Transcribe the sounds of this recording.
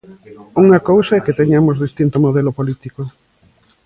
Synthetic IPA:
uŋɐkowsɐɛket̪eɲamozðist̪int̪omoðɛlopolit̪iko

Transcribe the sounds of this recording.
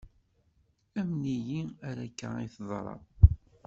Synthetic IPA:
æmnijiæɾækːæiθðˤɾˤɑ̰

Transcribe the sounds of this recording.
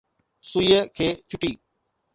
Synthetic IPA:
sujəkʰeːt͡ʃʊʈiː

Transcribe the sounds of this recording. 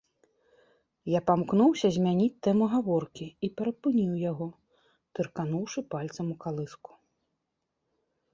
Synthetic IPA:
japamknuwsʲɐzʲmʲanʲit͡sʲt̪ːɛmuɣavɔrkʲiipʲɛɾɐpɨnʲiwjaɣɔ | t̪ɨrkanuwʂɨpalʲt̪sɐmukalˠɨsku̥

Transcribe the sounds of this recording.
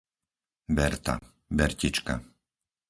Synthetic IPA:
bɛɾt̪a̰ | bɛɾcit͡ʃka̰

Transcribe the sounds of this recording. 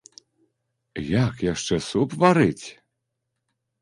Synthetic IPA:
jakjaʂt͡ʂɛsupvaɾɨt͡sʲ

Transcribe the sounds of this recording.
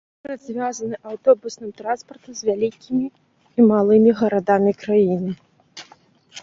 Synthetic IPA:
ɾɐd̪zʲvʲazɐnɨʔawt̪ɔbusnɨmt̪ɾanspɐrt̪uzʲvʲalʲikʲʰimʲiː | malˠɨmʲiɣɐɾad̪amʲikɾajinɨ

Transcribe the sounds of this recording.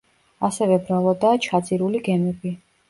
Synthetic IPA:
asɛvɛbɾalˠɔd̪aːt͡ʃʰad̪zʼiɾuliɡɛmɛbi

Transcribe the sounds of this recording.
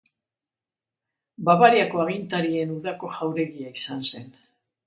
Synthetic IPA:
baβaɾjako̞aɣint̪aɾie̞nuðako̞ʝawɾe̞ɣiaisanse̞n

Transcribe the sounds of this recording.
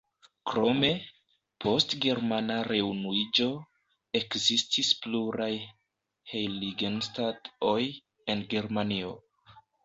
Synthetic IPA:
kɾo̞me̞ | pʰo̞stɡe̞ɾmanaɾe̞unuid͡ʒo̞ | e̞kzistʰispluɾaj | hejliɡenstato̞j | e̞nɡe̞ɾmanio̞̰

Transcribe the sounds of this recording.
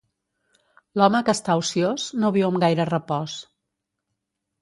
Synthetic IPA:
lɔməkəːst̪ausioznoβiwəmɡajɾərəpɔs

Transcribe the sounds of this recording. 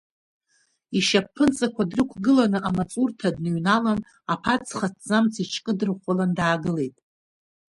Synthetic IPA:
iʃapʰːɨnt͡sʼakʷʰadrɨkʷʰɡɨlanɨʔamat͡sʼurtʰadnɥnalan | apʰat͡sʰχatʰzamt͡sʰit͡ʃʰkʼɨdɨrχʷalandaːɡɨle̞jtʼ

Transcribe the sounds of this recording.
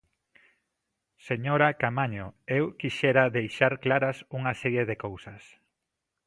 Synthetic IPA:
seɲoɾakamaɲoewkiʃɛɾaðejʃaɾklaɾasuŋasɛɾjeðekowsɐs

